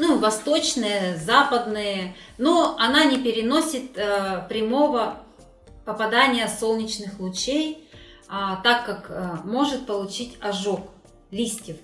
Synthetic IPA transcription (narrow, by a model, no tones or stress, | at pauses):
nuvɐst̪o̞t͡ɕnɨjəzapəd̪nɨjə | noɐnanʲɪpʲɪɾʲɪno̞sʲɪt̪ːpɾʲɪmo̞və | pəpɐd̪anʲɪjəso̞lˠnʲɪt͡ɕnɨxlˠʊt͡ɕejat̪akːakmo̞ʐɨt̪̚pəlˠʊt͡ɕitʲɐʐok | lʲisʲtʲɪf